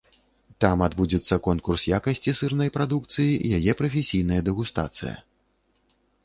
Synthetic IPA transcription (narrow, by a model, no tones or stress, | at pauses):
t̪amad̪bud͡zʲɛt̪sːɐkɔnkursjakɐsʲt͡sʲisɨrnɐjpɾad̪uk̚t̪sɨjiḭjajɛpɾɐfʲesʲijnɐjɐd̪ɛɣust̪a̰t̪sɨ̰jɐ̰